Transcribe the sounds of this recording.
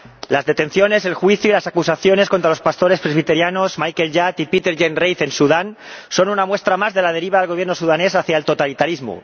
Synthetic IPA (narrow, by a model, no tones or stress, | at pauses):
lazðe̞t̪e̞nθjo̞ne̞se̞lxwiθjuilasakusaθjo̞ne̞sko̞nt̪ɾalo̞spast̪o̞ɾe̞spɾe̞zβ̞it̪e̞ɾjano̞smajke̞lʎat̪ipit̪e̞ɾʝenrejθe̞nsuðanso̞nunamwe̞st̪ɾamazðe̞laðe̞ɾiβ̞aðelɣ̞o̞βjeno̞suðane̞saθjaelt̪o̞t̪alit̪aɾizmṵ